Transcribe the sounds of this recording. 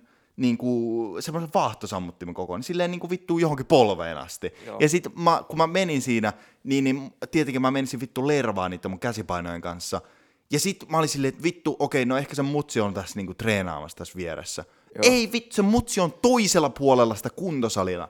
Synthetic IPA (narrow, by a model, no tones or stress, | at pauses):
niːŋkusemːoseʋʋɑːht̪osɑmːut̪ːimekoko̰nsilːeːniːŋkuʋit̪ːuːjohoŋkipolʋḛːnɑ̰st̪ijɑsit̪mɑkumæmeninsiːnæ | niːnnːimt̪iet̪eŋkimæmensiʋʋit̪ːuleirɑʋɑ̰ːnniːt̪ːemuŋkæsipɑino̰jeŋkɑnsːɑ | jɑsit̪mæolinsilːeːt̪ʋit̪ːuʔokeinoehkæsemmut̪siont̪æsniːŋkut̪reːnɑ̰ːmɑ̰st̪æsʋieɾḛsːæ̰ | eiʋit̪ːu̥semmut̪siont̪oiselːɑpuolelːɑsi̥t̪ækunt̪osɑlinɑ̰